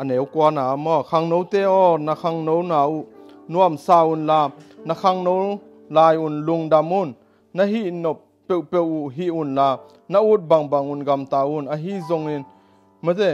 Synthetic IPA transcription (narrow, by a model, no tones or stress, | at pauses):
ʔɐnewkuanaːmɔkʰaŋnowt̪ɛɔnɐkʰaŋnownaːuʔ | nuamsaːunlanɐkʰaŋnow | laːjunluŋdamunː | ɐɦiʔnɔp̚ | pewpewʔuʔɦiʔunla | nɐʔut̪̚baŋbaŋunɡamt̪aːunəɦizɔŋin | mɐzɛ